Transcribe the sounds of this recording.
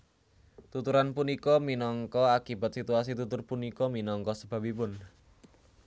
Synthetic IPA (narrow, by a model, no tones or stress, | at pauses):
t̪ut̪uɾanpunikɔminɔŋkɔakiba̤t̪̚sit̪uas̬it̪ut̪ʊrpunikɔminɔŋkɔsəb̥a̤pipʊn